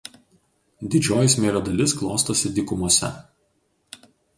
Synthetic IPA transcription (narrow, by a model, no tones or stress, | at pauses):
d̪ʲɪd͡ʒʲoːjɪsʲmʲeːlʲoːd̪ɐlʲɪsklˠoːst̪ɐsʲɪd̪ʲɪkʊmuɔsʲɛ̰